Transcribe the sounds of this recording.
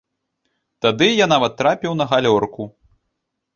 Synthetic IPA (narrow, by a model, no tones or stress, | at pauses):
t̪ad̪ɨjanavɐt̪ːɾapʲiwnɐɣalʲɔrku